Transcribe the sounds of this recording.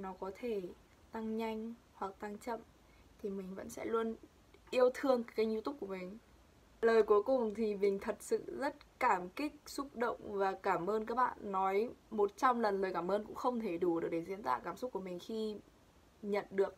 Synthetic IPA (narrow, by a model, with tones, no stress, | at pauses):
nɔ˨˦kɔ˨˦t̪ʰe˧˩ | t̪a˧ŋɲa˧jŋ̟ | hwa˨˩k̚t̪a˧ŋt͡ɕə̰˧˨m | t̪ʰi˨˩mï˨˩ŋ̟və̰˧˥nsɛ̰˧˥lu˧ən | ʔi˧əwt̪ʰɨ˧əŋkkaː˨˦ɲi˧t̪ʊ˦˥k͡p̚ku˧˩əmï˨˩ŋ̟ | ləː˨˩jku˨˦jkʊ˨˩ŋ͡mt̪ʰi˨˩mï˨˩ŋ̟t̪ʰə˨˩t̚sɨ̰˧˨zə˦˥t̚kaː˧˩mkï˦˥k̚sʊ˦˥k͡p̚ɗə̰˧˨wŋ͡mvaː˨˩kaː˧˩mʔəː˧nkaː˦˥k̚ɓa̰ː˧˨nːɔ˨˦jmo˨˩t̚t͡ɕɔ˧wŋ͡mlə˨˩nləː˨˩jkaː˧˩mʔəː˧nkʊ̰˧˥ŋ͡mxə˧wŋ͡mt̪ʰe˧˩ɗu˧˩˨k̚ɗe˧˩zḭ˧˥ənt̪wa̰ː˧˨˩kaː˧˩msʊ˦˥k͡p̚ku˧˩əmï˨˩ŋ̟xi˧ | ɲə̰˧˨nɗɨ˨˩ək̚